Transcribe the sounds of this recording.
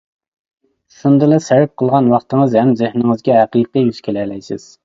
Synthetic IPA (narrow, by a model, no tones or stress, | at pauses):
ʃund̪ɨlˠɨsæɾɪp̚qʰəlˠʁɑnwɑχt̪əŋəzhɛmzɪhnɪŋɨzɡʲɛɦæqiːqɨjyz̥kʲʰelɛːlɛjsɪ̰z̥